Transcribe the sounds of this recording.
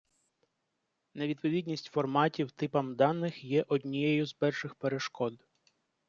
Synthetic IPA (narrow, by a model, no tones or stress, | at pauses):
ne̞ʋʲid̪̚pɔʋʲid̪ʲnʲisʲtʲfɔrmɑtʲiwt̪ɪpɐmd̪ɑnːɪxjɛʔɔd̪ʲnʲijɛjʊzpɛrʃɪxpeɾeʃkɔd̪